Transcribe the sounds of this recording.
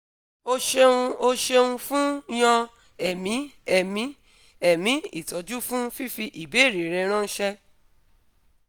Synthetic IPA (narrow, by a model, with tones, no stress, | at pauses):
o˧ʃe˧ũ˧o˧ʃe˧ũ˧fũ˦j̃ã˧ | ɛ˨mĩ˨˦ɛ˦˨mĩ˨˦ | ɛ˦˨mĩ˨˦ḭ˦˨tɔ˨˦d͡ʒu˦fũ˦fi˦fi˧ʔi˨be˨˦˨ɾe˨ɾɛ˧˦ɾ̃ã˦n̩˦ʃɛ˧